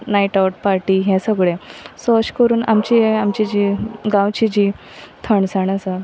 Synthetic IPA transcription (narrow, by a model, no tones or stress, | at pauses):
naiʈawʈ̚paɾʈiɦɛ̃səɡɭẽsɔɕkəɾuːna̰mt͡ɕiamt͡ɕid͡ʑiɡãwt͡ɕid͡ʑi | t̪ʰəɳsaɳəsa